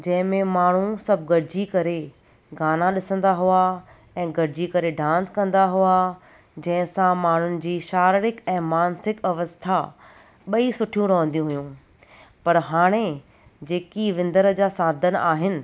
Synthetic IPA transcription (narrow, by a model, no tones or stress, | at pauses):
d͡ʑɐ̃ɦɪ̃mẽmaːɳ̤ũsɐb̚ʱɡɐɽɪd͡ʑikɐɾe | ɡaːnaɗɪsə̃nd̪aɦua | ɛ̃ːɡɐɽɪd͡ʑikɐɾeɖãːnskɐ̃nd̪aɦua | d͡ʑɐ̃ɦɪ̃sãmaːɳ̤ʊnɪ̆d͡ʑiːʃaːɾɪɾɪkɛ̃ːmaːnsɪkɐʋəst̪ʰa | ɓɐisʊʈʰijũɾɐɦə̃nd̪ijũɦujũ | pɐɾɦaːɽ̃e | d͡ʑeːkiʋɪ̃nd̪əɾəd͡ʑaːsaːd̪ʱənaːɦɪnɪ̆